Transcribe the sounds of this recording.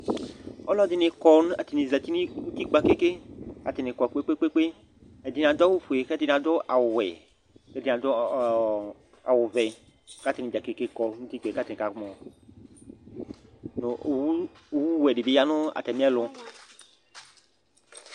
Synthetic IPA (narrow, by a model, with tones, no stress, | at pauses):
ɔ˦lɔ˦d̪i˨nẽ˨kɔ˦n˦a˨t̪i˨nĩ˨zɛ˨t̪i˦nĩ˦wu˦t̪i˦k͡pa˨ke˦ke˦ka˨t̪i˨nẽ˨kɔ˨k͡pe˦k͡pe˦k͡pe˦k͡pe˦ | e˨d̪i˨nã˨d̪ɔ˦wu˦fu˨e˨xɛ˦d̪i˦˨nã˨d̪ɔ˦ʔa˨wʊ˨wɛ˨ | kɛ˦d̪i˦nã˨d̪ɔ˦ | a̰˨wʊ˨vɛ˨˦ | ka˦t̪i˨nĩ˨d̪a˨ke˦ke˦kɔ˨ŋũ˦t̪i˦k͡pɛ˨ka˦t̪e˨nẽ˨ka˨ɡmɔ̃˨ | no˨˦˨wu˦wɛ˨ɖi˨be˦ja˦nʊ̃˦a̰˨t̪ɛ˨mĩ˦a˦lɔ˦